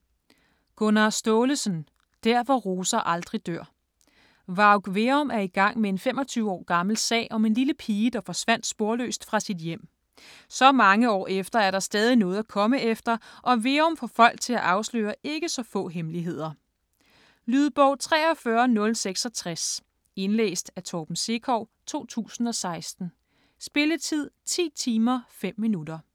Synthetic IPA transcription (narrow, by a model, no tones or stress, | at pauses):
ɡ̥ɔnɑsd̥ɔːləsən | d̥æɐ̰ʋɒʁo̝ːsɐʔɑ̈ld̥ʁid̥øɐ̰ | ʋɑ̈ʊɡ̥ʋe̝ɔmæɐiɡ̥ɑ̈ŋ̰mee̝nfemɒ̽t͡sʰyːʊɒ̰ːɡ̥ɑ̈məl̩sɛ̰ːɪʔɒ̽me̝nliləpʰiːəd̥ɑ̈fɒ̽sʋæn̰d̥sb̥o̝ɐlø̰ːsd̥fʁɑ̈sid̥jem̰ | sɒ̽mɑ̈ŋəɒ̰ːʔefd̥ɐæɐɾ̥ɑ̈sd̥ɛːð̞ˠinɔ̽ːð̞̩ˠækʰɒ̽məefd̥ɐʔɒ̽ʋe̝ɔmfɒ̽fɒ̽l̰ɡ̥̚t͡sʰe̝læʔɑ̈ʊslø̰ːɐʔe̝ɡ̥əsɒ̽fɔ̰̽ːɦemliɦe̝ð̞̰ˠɐ | lyð̞ˠb̥ɒʊt͡sʰʁɛ̰ːɒ̽fɶɐnɔ̽lseɡ̥sɒ̽t͡sʰʁas | e̝nlḛːsd̥æt͡sʰɒːb̥n̩se̝kʰɒʊ̰t͡sʰo̝̰ːt͡sʰṵːsn̩ɒ̽sɑ̈ɪsd̥n̩ | sb̥e̝lət͡sʰið̞̰ˠt͡sʰḭːt͡sʰiːmɐfem̰ːinud̥ɐ